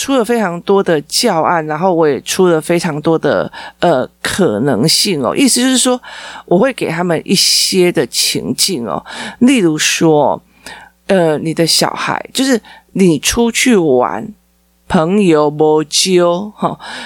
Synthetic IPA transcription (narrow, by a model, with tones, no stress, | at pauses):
ʈ͡ʂʰu˥lə˨fe˥ɪʈ͡ʂʰɑ˧˥ŋt̪wɔ˥d̪ə˨t͡ɕjɑ˥˧ʊa̰˥˩nɻa˧˦nxo˥˩ʊwɔ˧˥jɛ˨˩ʈ͡ʂʰu˦˥lə˨fe˥ɪʈ͡ʂʰɑ˧˥ŋt̪wɔ˥d̪ə̰˨ʔə˨kʰə˨˩nɤ̰˧˦˥ŋɕi˥˩ŋɔ̰˨ʔḭ˥˩sɨ˨˩t͡ɕjo˥ʊʂɻ̩˥˩ʂwɔ˥wʔɔ˨˩xwe˥˩ɪke˨˩t̪ʰa˦˥mə˨nʔḭ˥˩ɕjɛ˦˥d̪ə˨t͡ɕʰḭ˧˥ŋt͡ɕi˥˩ŋɔ̰˨˩li˥˩lu˧˥ʂwɔ˦˥ | ə˨ni˨˩d̪ə˦ɕjɑ̰˨˩ʊxa̰˧˦ɪt͡ɕjo˥˧ʊʂɻ̩˥˩ | ni˨˩ʈ͡ʂʰu˦t͡ɕʰy˥˩wa̰˧˦n | pʰə˧˦ŋjo˧˥ʊmɔ˧˥t͡ɕjo˥ʊxɔ˥˩